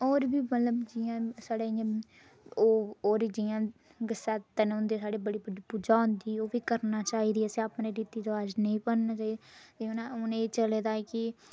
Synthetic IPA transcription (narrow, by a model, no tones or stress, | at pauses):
oːɾbiːmət̪ləbd͡ʒɪãːsaːɽeːã | oːoːɾid͡ʒiãː | ɡəsaːt̪ənʊnd̪eːsaːɽeːbəɽiːbəiːpuːd͡ʒaːʊ̃nd̪iːoːʋiːkəɾnaːt͡ʃaːɦiːd̪iːəseapnẽːɖiːt̪iːd̪oad͡ʒnəĩːpənnaːt͡ʃaːid̪et̪eonaʊnẽeːt͡ʃəleːd̪aːɛːkɪ